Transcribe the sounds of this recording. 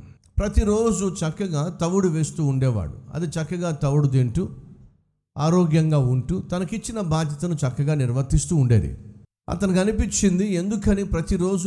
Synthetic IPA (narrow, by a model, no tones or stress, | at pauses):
pɾɐt̪iɾoːd͡ʒut͡ʃɐkːɐɡaːt̪ɐʋːuɽuʋeːst̪uːuɳɖɛːʋa̰ːɽṵɐ̰d̪it͡ʃɐkːɐɡaːt̪ɐʋuɽud̪iɳʈu | aːɾɔːɡjɐŋɡaːuɳʈut̪ɐnɐkit͡ʃːinɐbaːd̪jɐt̪ɐnut͡ʃɐkːɐɡaːniɾʋɐt̪ist̪uːɳɖeːd̪ḭ | ɐ̰t̪ɐnikɐnipit͡ʃːind̪ie̞nd̪ukɐniːpɾɐt̪iɾo̞ːd͡ʒu